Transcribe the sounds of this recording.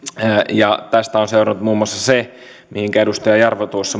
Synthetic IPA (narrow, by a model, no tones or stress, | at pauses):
jɑt̪æst̪æonseurɑnut̪muːmːuɑsːɑse | mihiŋkæeɾust̪ɑjɑjɑrʋot̪uosːɑ